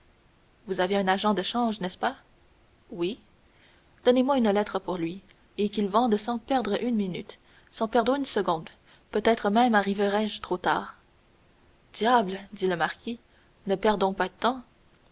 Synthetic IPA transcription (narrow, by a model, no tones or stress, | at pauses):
vuzaveœ̃naʒɑ̃d̪əʃɑ̃ʒnɛspa | wi | d̪̥ɔnemwaynlɛt̪χəpuʁlɥi | ekilvɑ̃d̪əsɑ̃pɛʁd̪ʁəʔynminyt̪ | sɑ̃pɛʁd̪ʁəynsəɡɔ̃d̪ | pøt̪ɛt̪χəmɛ̃maʁivəʁɛʒt̪χot̪a̰ːʁ | d̪̥jabld̪iləmaʁkʲi | nəpɛʁd̪ɔ̃pad̪ət̪ɑ̃